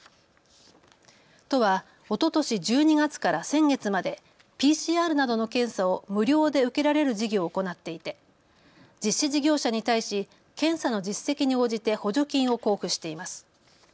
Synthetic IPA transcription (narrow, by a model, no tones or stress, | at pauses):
t̪o̞βa | o̞t̪o̞t̪o̞ɕid͡ʑɨːɲ̟iɡat͡sɨ̥kaɾasẽ̞ŋɡe̞t͡sɨmad̪e̞ | pʲiːɕiːaːɾɯ̟nad̪o̞no̞kẽ̞ɰ̃sao̞mɯ̟ɾʲo̞ːd̪e̞ɯ̟ke̞ɾaɾe̞ɾɯ̟d͡ʑiɡʲo̞ːko̞nat̪ːe̞it̪e̞ | d͡ʑiɕːiʑiɡʲo̞ːɕaɲ̟it̪aiɕi | kẽ̞ɰ̃sano̞d͡ʑisːe̞kʲiɲ̟io̞ːʑit̪e̞ho̞ʑo̞kʲĩɰ̃o̞ko̞ːɸɯ̟ɕi̥t̪e̞imasɨ̥